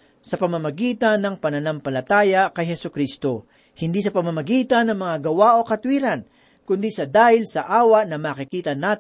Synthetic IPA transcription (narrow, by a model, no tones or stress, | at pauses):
sɐpɐmɐmɐɡiːt̪ɐnːɐŋpɐnɐnampɐlɐt̪aːjɐkɐjɦɛsʊkɾist̪o̞ | hɪnd̪iːsɐpɐmamɐɡiːt̪ɐnːɐŋmɐŋaɡɐwaʔo̞kɐt̪wiːɾɐn | kʊnd̪isɐd̪aːhɪlsɐʔaːwɐʔnɐmaːkɪkiːt̪ɐnaːt̪